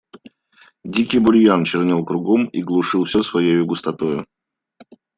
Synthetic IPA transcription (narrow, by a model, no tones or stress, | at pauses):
dʲikʲijbʊlʲjant͡ɕɪrnʲelˠkɾʊɡomiɡlˠʊʂɨlˠfsʲosvɐjejʊɡʊst̪ɐt̪ojʊ